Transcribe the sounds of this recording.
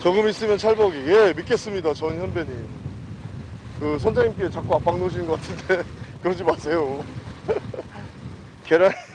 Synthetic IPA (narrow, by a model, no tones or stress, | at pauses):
t͡ɕʌɡɯmis͈ɯmjʌnt͡ɕʰaɭbʌɡije̞mit̚k͈e̞s͈ɯmɲidat͡ɕʌnçjʌnbeɲim | kɯsʰʌnd͡ʑaŋimk͈e̞t͡ɕak͈uap͈aŋnoɕ̬ʰinɯnɡʌk͈atʰɯnte̞kɯɾʌd͡ʑimasʰe̞jo | keɾa